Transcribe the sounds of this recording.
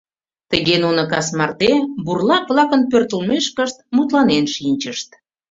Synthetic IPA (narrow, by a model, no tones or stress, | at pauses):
t̪əɣenunəkɑsmɑrt̪eburlɑkβlɑkənpørt̪əlmeʃkəʃt̪̚mut̪lɑnenʃinʲt͡ɕəʃt̪̚